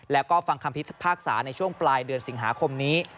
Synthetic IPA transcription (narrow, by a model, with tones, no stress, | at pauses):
lɛː˦˥wkɔː˥˩fa˧ŋkʰa˧mpʰi˦˥t̪pʰaː˥˩k̚sa̰ː˩˦na˧jt͡ɕʰu˥˩əŋplaː˧jdɯ˧ənsi˩˦ŋɦaː˩˦kʰo˧mniː˦˥